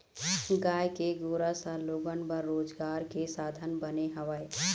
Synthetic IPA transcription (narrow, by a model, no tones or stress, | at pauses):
ɡaːjkeɡoːɾasə̃loːɡənbəɾːoːd͡ʒɡaːɾkesaːd̪ʱənbəneɦəʋəe